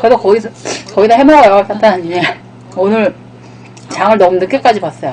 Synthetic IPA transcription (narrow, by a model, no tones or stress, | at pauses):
kɯɾesʰʌkʌiskʌidaɦemʌɡajos͈ʰat͈anaɲiɲe | onɯɾ | t͡ɕaŋɯɭnʌmunɯk͈ek͈ad͡ʑibwas͈ʌjo